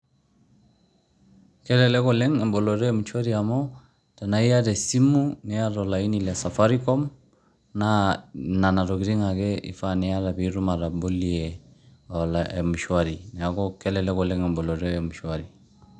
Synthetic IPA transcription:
kɛ˦lɛlɛ˦kɔlɛ˦ŋɛ˨mbɔ˨lɔɾɛ˦mu˨ʃwa˦ɾiamɔ | tana˨i˦a˦ɾɛsi˦mu˦nɛa˦ɾɔlai˦nila˨safaɾikɔ˦m | nana˨na˨ɾɔki˨ɾi˦ŋakɛ˦ḭ˨fanɛa˦ɾa˨βiɾu˦ma˨ɾa˨bo˦liɛ | alaɛmu˨ʃwaɾi˨nɛ˨a˨kɔkɛlɛlɛ˦ɣɔlɛŋɛmbɔ˨lɔ˨ɾɛmu˨ʃwaɾi˨

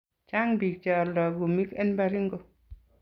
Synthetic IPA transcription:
t͡ʃa˦ŋbi˨k̚t͡ʃa˨lɔ˨ɡu˨mi˦kɛ˦nba˦ɾi˦ŋɡo˦˨

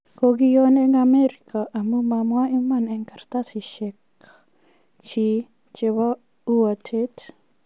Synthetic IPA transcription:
koɡi˦jo˦nɛ˦ŋame˦ɾi˨kʰa˨ʔa˨mu˦mamwa˦i˦manɛ˨ŋka˨rt̪a˦si˨ʃɛk | t͡ʃi˦ | t͡ʃe˨wa˦ | u˦wa˨tʰet

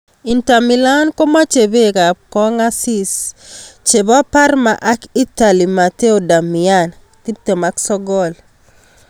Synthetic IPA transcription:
i˨nta˨mi˨la˦nko˦ma˦t͡ʃe˨be˦ka˨kɔ˦ŋa˦si˦s | t͡ʃe˨ba˦pa˦rma˨ʔa˦ki˦ta˨li˨ma˨te˦o˨da˨mi˨an | ti˦t̪e˨ma˦ksɔ˦ɡɔ˦l

